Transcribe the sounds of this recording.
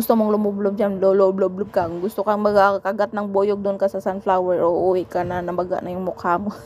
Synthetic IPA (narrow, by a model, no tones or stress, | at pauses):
ʊst̪omoŋlʊmoblob̚d͡ʒanlolobloblob̚kɐŋɡʊst̪okɐŋmɐɡakɐɡat̪̚nɐŋboːjoɡ̚d̪ʊnkɐsɐsanflawɛɹʔoʔuwɛkanɐnɐbɐɡa̰ʔnɐjʊŋmʊkaːmo